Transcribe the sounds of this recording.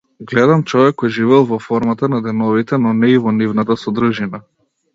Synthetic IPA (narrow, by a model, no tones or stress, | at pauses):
ɡlɛd̪amt͡ʃɔvɛkːɔjʒivɛlˠvɔfɔɾmat̪anad̪ɛnɔvit̪ɛnɔnɛivɔnivnat̪asɔd̪ɾuʒina